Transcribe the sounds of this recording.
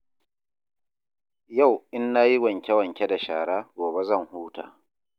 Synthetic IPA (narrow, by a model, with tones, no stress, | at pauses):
ja˦˨wʔɪ˦nːaː˦ji˦wɐ˨ŋkʲɛ˦wɐ˨ŋkʲe˦da˨ʃaː˨ɽaː˦ɡʷoː˨be˦zɐ˦˨ŋhuː˦ta̰ː˨